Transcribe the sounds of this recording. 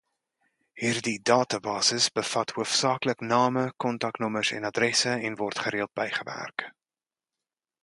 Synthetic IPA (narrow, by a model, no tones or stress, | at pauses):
hiːrdidɑːtɐbɑːsəsbəfɐthuəfsɑːkləknɑːməkɔntɐknɔməsɛ̰nɐdrɛsəɛnvɔrtχəɾiəlˠt̚b̥ɛjχəvæ̰rk